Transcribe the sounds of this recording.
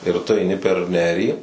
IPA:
ɪr tʊ ɐɪˈnʲɪ pʲɛr ˈnʲæːrʲiː

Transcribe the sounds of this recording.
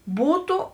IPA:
ˈbuːtʊ

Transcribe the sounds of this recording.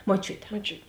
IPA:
moːˈt͡ʃʲʊtʲɛ moːˈt͡ʃʲʊt

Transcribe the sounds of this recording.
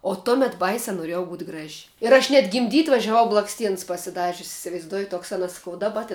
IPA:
oː ˈtoːmʲɛt ˈbɐɪsʲæː noːˈrʲiɛjɛʊ buːtʲ ˈɡrɐʃʲ ɪr ˈɐʃ nʲɛt ɡʲɪmʲˈdʲiːtʲ ʋɐʒʲɛˈʋɐʊ blˠɐksʲˈtʲiɛns pɐsʲɪˈdɑːʒʲʊs ɪsʲɪʋɐɪzˈduɔjɪ ˈtoːks ɐnˈɐs sɐˈkɐʊ dɐˈbɐ tʲɪn

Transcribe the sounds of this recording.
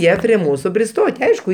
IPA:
ˈjiɛ pʲrʲiɛ ˈmuːsʊ pʲrʲɪˈstoːtʲ ˈɐɪʃkʊ

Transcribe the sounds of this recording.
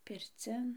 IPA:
pʲɪrʲˈt͡sʲɪn

